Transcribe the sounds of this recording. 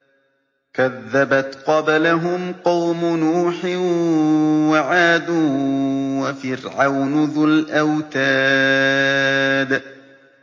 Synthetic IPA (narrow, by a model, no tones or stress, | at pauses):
kaðːabat̪qɑbalaɦʊmqɑwmʊnuːħɪ | waʕaːd̪uːwafɪɾʕawnʊðʊlʔawt̪aː | d̪